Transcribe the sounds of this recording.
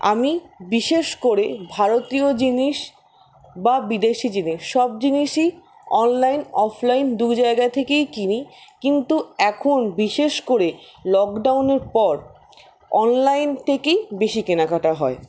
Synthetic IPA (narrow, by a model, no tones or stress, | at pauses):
a̰mibiʃeʃkoɾebʱaɾot̪iod͡ʑiniʃ | babid̪eʃid͡ʑiniʃːɔb̚d͡ʑiniʃi | ɔnlajnɔfʰlajnd̪ud͡ʑaeɡat̪ʰekejt͡ɕinikint̪uɛkʰonbiʃeʃkoɾelɔkɖawneɾpɔɾ | ɔnlajnt̪ʰekejbeʃikenakʰaʈaɦɔe